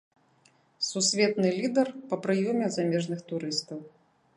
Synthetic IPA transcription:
susʲvʲɛt̪nɨlʲid̪ɐrpɐpɾɨjɔmʲɛzamʲɛʐnɨxt̪uɾɨst̪ɐw

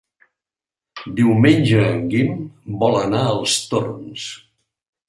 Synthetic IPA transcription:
d̪iwmenʲd͡ʒəːŋɡimbɔlənaəlˠst̪orns

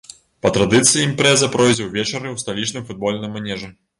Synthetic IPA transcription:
pɐt̪ɾɐd̪ɨt̪sɨjiimpɾɛzɐpɾɔjzʲɛwvʲɛt͡ʃɐɾɨwst̪ɐlʲit͡ʃnɨjfud̪̚bɔlʲnɨjmanʲɛʐɨ

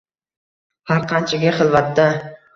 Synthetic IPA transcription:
haɾqʰɑnt͡ʃʰaɡʲaχɨlˠvat̪d̪a

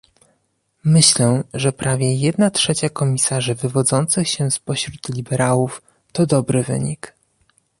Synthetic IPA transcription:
mɘɕlɛʐɛpɾavʲjɛjɛd̪natʂɛt͡ɕakɔmʲisaʐɘvɘvɔd̪zɔnt̪sɘxɕɛspɔɕɾut̪lʲibɛɾawuf | t̪ɔd̪ɔbɾɘvɘ̰ɲik

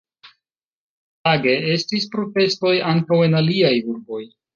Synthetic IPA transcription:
taɡe̞e̞stispɾo̞te̞sto̞jaŋkawe̞naliajuɾbo̞j

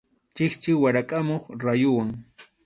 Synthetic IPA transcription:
t͡ʃɪχt͡ʃɪwaɾakʼamoχɾajʊwaŋ

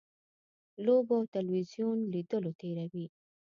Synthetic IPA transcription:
loboawt̪alwizjunlid̪əlot̪eɾawi

